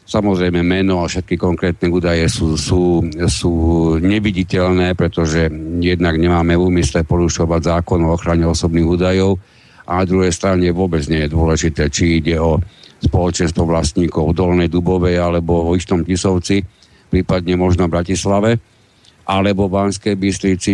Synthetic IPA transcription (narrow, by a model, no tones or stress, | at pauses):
samɔzɾɛjmɛmɛnɔafʃɛt̪̚kikɔŋkɾɛːt̪nɛuːd̪ajɛsusuːsuːɲɛʋiɟicɛlnɛːpɾɛt̪ɔʒɛjɛd̪naɡɲɛmaːmɛuːmislɛpɔɾuʃɔʋaɟzaːkɔnɔɔxɾaɲɛɔsɔbniːɣuːd̪ajɔʊ | ʔa̰nad̪ɾuɦɛjst̪ɾaɲɛʋʊɔbɛd͡zɲɛjɛd̪ʊɔlɛʒit̪ɛːt͡ʃiiɟɛɔspɔlɔt͡ʃɛnst̪ʋɔʋlast̪ɲiːkɔʊvd̪ɔlnɛjd̪ubɔʋɛalɛbɔɔist̪ɔmcisɔʊt͡si | pɾiːpad̪ɲɛmɔʒnɔbɾacislaʋɛ | ʔalɛbɔʋaːnskɛjbist̪ɾit͡si